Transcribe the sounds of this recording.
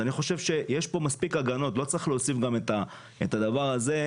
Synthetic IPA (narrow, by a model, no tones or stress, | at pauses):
aniχo̞ʃe̞vʃe̞jeʃpo̞maspikaɡano̞tlo̞t͡sɐʁiχleosifɡame̞t̪a | etad̪avaʁaze̞